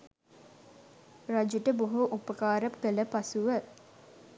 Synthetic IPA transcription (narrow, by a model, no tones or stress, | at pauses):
rad͡ʒuʈəboɦuʔupəkaːɾapkələpasuʋə